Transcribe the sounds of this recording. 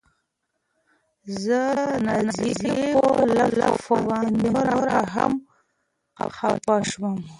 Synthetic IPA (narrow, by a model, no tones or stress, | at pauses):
zənaziziolala̰fawand̪aɾaɾaɦa̰m̰ | xa̰pɑʃwam